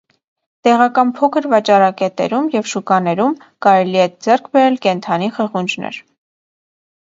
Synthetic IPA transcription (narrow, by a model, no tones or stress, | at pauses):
t̪ɛʁɑkɑnpʰɔkʰəɾvɑt͡ʃɑɾɑkɛt̪ɛ̰ɾumjɛvʃukɑnɛɾum | kɑɾɛliɛd͡zɛrkʰbɛɾɛlkɛnt̪ʰɑniχəʁund͡ʒnɛ̰ɾ